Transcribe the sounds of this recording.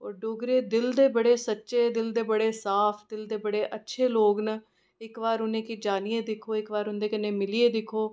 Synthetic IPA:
ɔːɾɖoːɡɾeːd̪ɪld̪eːbəɽeːsətːʃeːd̪ɪld̪eːbəɽeːsaːpʰd̪ɪld̪eːbəɽeːʔətːʃʰeːloːɡnə | ɪkʋaːɾʊnẽːkid͡ʒaːnieːd̪ɪkʰoːɪkʋaːɾʊnd̪eːkɪneːmɪlieːd̪ɪkʰːoː

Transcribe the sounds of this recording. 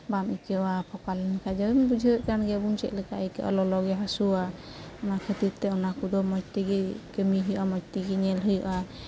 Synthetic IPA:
bamʔikɛwapʰɔkalɛnkʰad͡ʒabɛmbud͡ʒʱiɾɛʔkanɡɛbunt͡ʃɛ̰ʔ̪lɛkaʔɛkɛ̰ʔɔ̰lɔlɔɡɛɦasua | ɔnakʰət̪iɾt̪ɛɔnakud̪ɔmɔt͡ʃ̚t̪iɡɛkəmiɦujʔamɔt͡ʃ̚t̪iɡɛɲɛlɦujɔʔa

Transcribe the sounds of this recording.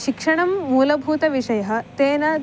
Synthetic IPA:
ʃikʂɐɳɐmːuːlɐbʱuːt̪ɐʋiʂɐjɐɦɐ̆t̪eːnɐ

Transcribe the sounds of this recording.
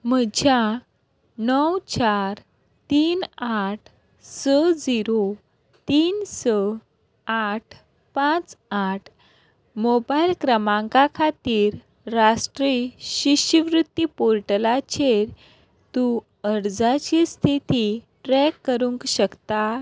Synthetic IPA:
m̤əd͡ʑʱja | nəwt͡ɕaɾ | t̪iːnaʈʰ | səd͡ziɾo | t̪iːnsə | aʈʰ | pãt͡saʈʰ | mobajlkɾəmãŋkakʰat̪iːɾː | asʈɾiɕiɕəʋɾut̪ːipoɾʈlat͡ɕeɾ | t̪u | əɾd͡zat͡ɕist̪ʰit̪i | ʈɾɛkːəɾuŋkɕəkt̪a

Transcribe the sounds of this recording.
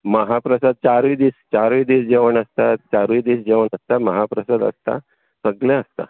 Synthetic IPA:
məɦapɾəsad̪̚t͡ɕaɾʋid̪iːst͡ɕaɾʋid̪iːsd͡ʑeʋəɳəst̪at͡ɕaɾʋiːd̪iːsd͡ʑeʋəɳəst̪aməɦapɾəsad̪ə̰st̪a̰ | səɡljãəst̪a̰

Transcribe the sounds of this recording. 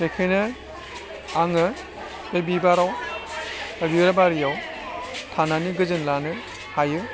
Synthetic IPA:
sekʰenɯ | aŋɯ | bebibaɾaw | ɾiɯɾabaɾijaw | tʰananiɡɯzɯnlanɯ | hajɯ

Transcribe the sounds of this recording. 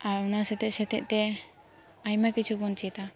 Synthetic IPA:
aɾunasɛt̪ɛʔsɛt̪ɛʔ̚t̪ɛ | ajmakit͡ʃʰubɔnt͡ʃit̪a

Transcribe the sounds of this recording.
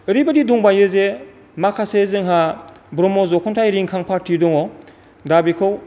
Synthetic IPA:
ɯɾibadiduŋbajɯze | makʰasezɯŋɦa | bɾɔmɔzɔkʰɔntʰajɾiŋkʰaŋpʰaɾtʰidɔŋɔ | dabikʰɯw

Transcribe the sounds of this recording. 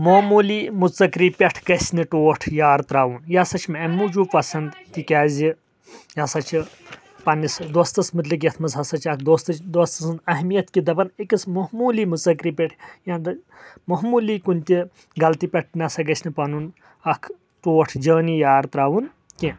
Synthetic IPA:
moːmuːliːmuɐkɾiːpʲeʈʰɡɐsʲnɨʈoːʈʰjaːɾt̪ɾaːʋunjasɐt͡ʃʰmɐmuːd͡ʒuːpɐsɐnd̪t̪ikʲaːzʲi | jɐsɐt͡ʃʰi | pɐnisd̪ost̪ɐsmɨt̪lik̬ʲɐt̪ʰmɐzɦɐsɐt͡ʃʰɐkʰd̪oːst̪ɐd̪ost̪ɐsɐnd̪ɐɦmijɐt̪kid̪ɐbɐnikismɐɦmuːliːmuzɐkɾiːpʲɐʈʰjãːnd̪ | mɐɦmuːliːkunʲt̪i | ɡɐlt̪iːpʲɐʈ̚ʰnɐsɐɡɐsʲnɨpɐnun | ɐkʰ | ʈoːʈʰd͡ʒəːniːjaːɾt̪ɾaːʋun | ki

